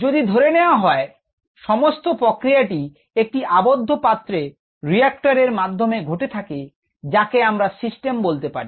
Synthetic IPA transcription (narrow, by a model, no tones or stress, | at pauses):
d͡ʑod̪id̪ʱoɾeneoaɦɔe | ʃɔmost̪opɾokɾijaʈi | ek̚ʈiʔabod̪ʱːopat̪ːɾe | ɾiak̚ʈaɾeɾmad̪ʱːomeɡʱoʈet̪ʰake | d͡ʑakeamɾasisʈembolt̪epa̰ɾi